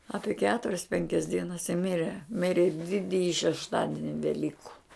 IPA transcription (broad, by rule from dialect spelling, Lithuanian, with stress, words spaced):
ˈɑːpʲiɛ ˈkʲæːtʊrʲɛs ˈpʲɛŋʲkʲɛs ˈdʲiɛnɐs ɪ ˈmʲɪrʲɛ ˈmʲɪrʲɪ ˈdʲɪdʲɪjɪ ʃʲɛʃˈtɑːdʲɪnʲɪ ʋʲɛˈlʲiːkʊ